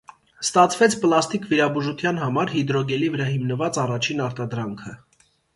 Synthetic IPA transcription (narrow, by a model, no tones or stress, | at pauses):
st̪ɑt͡sʰvɛt͡sʰpəlɑst̪ikviɾɑbuʒut̪ʰjɑnɦɑmɑɾɦid̪ɾɔɡɛlivəɾɑhimnəvɑt͡sɑrɑt͡ʃʰinɑɾt̪ɑd̪ɾɑŋkʰə